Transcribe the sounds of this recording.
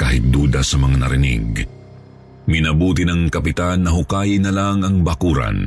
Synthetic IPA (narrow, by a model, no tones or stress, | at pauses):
kaːhɪt̪̚d̪uːd̪ɐsɐmɐŋanɐɾɪnḭɡ | mɪnɐbuːt̪ɪnɐŋkɐpɪt̪anːɐɦʊkaːjɪnɐlaŋɐŋbɐkuːɾɐ̰n